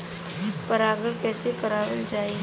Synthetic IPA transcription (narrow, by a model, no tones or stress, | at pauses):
pəɾaːɡəɽkɛːsekɐɾaːʋəld͡ʒaːi